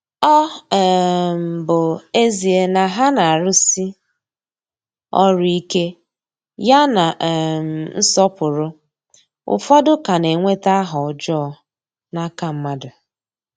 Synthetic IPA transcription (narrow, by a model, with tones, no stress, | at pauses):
ɔ˦˨ | m̩˨bʊ˨e˦zi˨e˨na˨ɦa˦na˨a˨ɾʊ˦si˦ | ɔ˦ɾʊ˦i˦ke˦ | ja˦na˨m˨n̩˦sɔ˦pʊ˨ɾʊ˦ | ʊ̰˨fɔ˦dʊ˦ka˨ne˨ŋʷe˦ta˦ɦɔ˨d͡ʒɔː˦˨ | na˦ka˨m̩˦ma˦dʊ˨